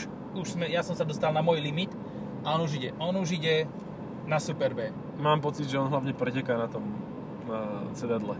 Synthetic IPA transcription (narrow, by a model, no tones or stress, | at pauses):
uʃsmɛjasɔmsad̪ɔst̪alnamʊɔjlimit̪ | aɔnuʒiɟɛʔɔnuʒiɟɛ | nasupɛɾbɛː | maːmpɔt͡sid̪ʒɛɔnɦlaʊɲɛpɾɛcɛkaːnat̪ɔm | nat͡sɛd̪ad̪lɛ